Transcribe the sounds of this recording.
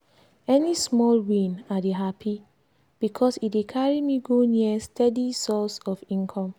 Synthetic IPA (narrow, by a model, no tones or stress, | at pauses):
ɛnismɔlwĩnadeɦapʰi | b̥ikʰɔsit̚wekʰaɹimiɡoniəstʰɛdisɔsɔfĩnkʰɔ̃m